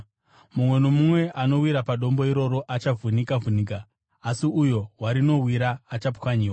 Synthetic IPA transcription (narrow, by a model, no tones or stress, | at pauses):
mumwe̞nomumwe̞ʔano̞wiɾapaɗo̞mbo̞iɾo̞ɾo̞ʔat͡ʃavunikavuniːk̬aː | siujo̞ɦwaɾino̞wiɾaːt͡ʃapkwaɲiːwa